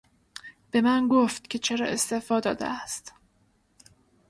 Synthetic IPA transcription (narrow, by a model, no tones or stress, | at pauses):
b̥e̞mænɡoft̪cʲʰe̞t͡ʃʰe̞ɾɒ̰ːʔe̞st̪efɒːd̪ɒ̰ːd̪ḛæst̪